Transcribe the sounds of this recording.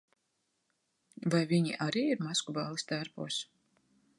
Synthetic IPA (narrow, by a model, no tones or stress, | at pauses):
vajviɲiʔaɾiːiɾmaskubaːlˠist̪aɾpṵɔs